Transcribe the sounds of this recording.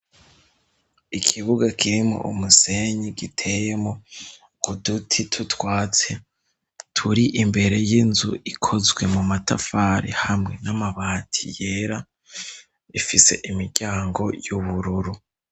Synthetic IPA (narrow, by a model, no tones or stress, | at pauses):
ikʰiβuɡakʰiɾimo̰ʔṵmuse̞ɲiɡitʰe̞jemo | kudutʰitʰutwaːt͡se̞ | tʰuɾiʔimbe̞ɾe̞jinzuʔikʰo̞zɡwe̞mumatafaːɾḭhamŋe̞namaβaːtʰi̥̰je̞ːɾa | ifise̞̰ʔimiɾɟaːŋɡo̞juβuɾuɾu